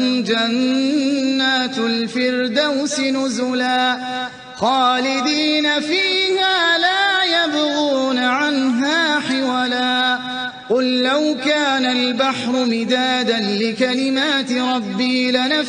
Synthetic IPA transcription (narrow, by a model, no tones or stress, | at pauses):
d͡ʒanː | aːt̪lfɪɾd̪awsɪnʊzʊlaː | xɑːlɪd̪iːnafiːhaːlaːjabʊɣuːnaʕanɦaːħɪwalaː | qʊlːawkaːnalbaħɾˤʊmɪd̪aːd̪anlɪkalɪmaːt̪ɪɾˤɑbːiːlana